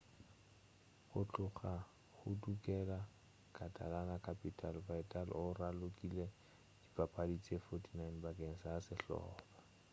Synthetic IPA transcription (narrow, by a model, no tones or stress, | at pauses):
χʊt͡ɬʼʊχa | χʊtukʼɛla | kʼatʼa̰lanakʰʼapʼitʼalvaitʼalʊralʊkʼile | d̥ipʼapʼadit͡sʼefotʰʼinajnbakʼeŋ̩saasɪɬɔ̰ːba